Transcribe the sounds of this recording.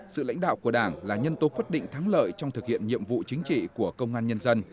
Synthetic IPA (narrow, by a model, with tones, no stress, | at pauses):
sɨ̰˧˨la̰˧˥jŋ̟ɗa̰ː˧˨wku˧˩əɗaː˧˩ŋlaː˨˩ɲə˧nt̪o˨˦kwi˦˥t̚ɗḭ̈˧˨ŋ̟t̪ʰaː˨˦ŋlə̰ː˧˨jt͡ɕɔ˧wŋ͡mt̪ʰɨ˨˩k̚hḭ˧˨ənɲḭ˧˨əmvṵ˧˨t͡ɕï˨˦ŋ̟t͡ɕḭ˧˨ku˧˩əkə˧wŋ͡mʔaː˧nɲə˧nzə˧n